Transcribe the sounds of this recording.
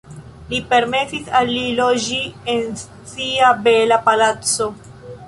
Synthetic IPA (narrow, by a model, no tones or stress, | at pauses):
lipe̞ɾme̞sisalːilod͡ʒien | siabelapalat͡so̞